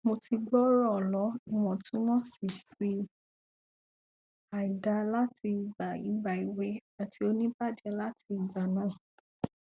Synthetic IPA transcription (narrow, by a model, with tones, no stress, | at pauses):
mo˧ti˧ɡ͡bɔ˦ɾɔ˦˨lɔ˨˦i˨w̃ɔ̃˨tũ˦w̃ɔ̃˦si˨si˧ | a˨i˨da˧la˦ti˧i˨ba˨i˨˦ba˨i˨we˧a˨tʰi˧o˧nĩ˦ba˦˨d͡ʒɛ˧la˦tʰi˧i˨ba˨nãː˦˨